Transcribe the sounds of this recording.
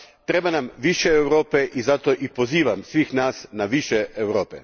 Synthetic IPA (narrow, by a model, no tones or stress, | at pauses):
t̪ɾe̞banamʋiʃeːwɾo̞ːpeʔizat̪o̞ʔipo̞ziːʋamsʋiːxnaːsnaʋiʃeʔewɾoːpḛ